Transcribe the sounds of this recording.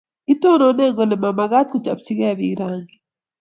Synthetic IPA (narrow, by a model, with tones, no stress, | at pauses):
i˦to˦nɔ˨˦nɛ˦˨ŋɡɔ˨ne˨ma˨ma˨ɣa˦tku˦t͡ʃa˨pt͡ʃi˦ɣɛ˦˨βḭ˨ɾaː˦ŋɡi